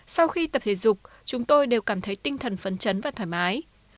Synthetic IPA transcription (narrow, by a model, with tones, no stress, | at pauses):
sa˧wxi˧t̪ə˨˩p̚t̪ʰe˨˦zʊ˨˩k͡p̚ | t͡ɕʊ˨˦ŋ͡mt̪o˧jɗe˨˩wkaː˧˩mt̪ʰə˨˦jt̪ï˧ŋt̪ʰə˨˩nfə˨˦nt͡ɕə˨˦nvaː˨˩t̪ʰaː˧˩jmaː˨˦j